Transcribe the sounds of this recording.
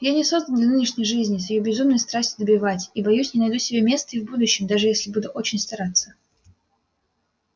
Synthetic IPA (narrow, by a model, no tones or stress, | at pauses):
janʲɪso̞zd̪ənˠd̪lʲɐnɨnʲɪʂnʲɪjʐɨzʲnʲɪsvɪjobʲɪzumnəjst̪ɾasʲtʲɪd̪əbʲɪvatʲibɐjusʲnʲɪnɐjd̪usʲɪbʲemʲe̞st̪əivbud̪ʊɕːɪmd̪aʐɨjesʲlʲɪbud̪ʊʔo̞t͡ɕɪnʲst̪ɐɾat̪sːə